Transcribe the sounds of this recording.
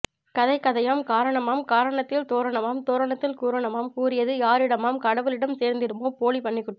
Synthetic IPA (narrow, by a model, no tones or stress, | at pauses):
kɐðɐɪkːɐðɐjaːmkaːɾɐɳɐmaːmkaːɾɐɳɐt̪ːɪlt̪oːɾɐɳɐmaːmt̪oːɾɐɳɐt̪ːɪlkuːɾɐɳɐmaːmkuːɾɪjɐðɯjaːɾɪɽɐmaːmkɐɽɐʋɯlɪɽɐmseːɾnd̪ɪɾɯmoːpoːlipɐɳːɪkːʊʈː